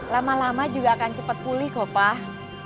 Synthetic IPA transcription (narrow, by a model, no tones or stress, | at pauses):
lamalamad͡ʒuɡaːkant͡ʃəpət̪̚kulɪhɡ̥opah